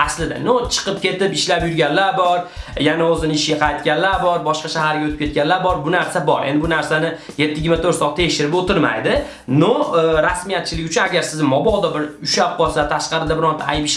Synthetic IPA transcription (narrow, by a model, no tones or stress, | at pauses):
aslɪd̪a̰not͡ʃʰɨ̥qɨp̚kʲʰe̞t̪ɪpɪʃlapjʊɾɡʲanlaɾbɒɾjanaozɪnɪɪʃɡʲaqʰɑjt̪̚kʲanlaɾbɒɾbɒʃqɑʃahaɾɡʲaot̪ʰɪ̥pkʰʲe̞t̪̚kʲanllaɾbɒɾbʊnaɾsabɒɾʔend̪ɪbʊnaɾsanɪ | je̞t̪ʰːɪjɪɡʲɪɾmat̪ʰoɾtsɒt̪ʰe̞kʲʃɪɾɪpot̪ɪɾma̰jd̪ɪ | noɾasmijat̪̚t͡ʃʰɪlɪkʲʊt͡ʃʰʊnaɡʲaɾsɪzɪmɒbɒd̪ɒbɪɾʊʃap̚qʰɒlˠsat̪ʰaʃqɑɾɪd̪abɪɾɒnt̪ʰa̰jpɪʃ